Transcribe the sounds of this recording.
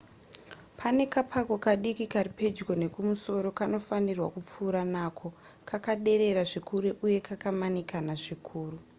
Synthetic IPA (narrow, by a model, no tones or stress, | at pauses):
pʰane̞kapʰako̞kaɗikikaripe̞d͡ʒɡo̞ne̞kumuso̞ɾo̞kano̞fanirwakup͡fuːɾanaːkʰo̞ | kakaɗe̞ɾe̞ɾaʐikuɾeʔuje̞kakamanikanaʐikʰuːru